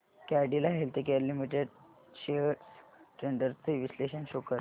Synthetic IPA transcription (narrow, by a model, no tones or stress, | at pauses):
kaɖilaɦelt̪ekeɾlimiʈeɖ | ɕeəsʈɾeɳɖəɾt͡səʋisleɕənɕokəɾ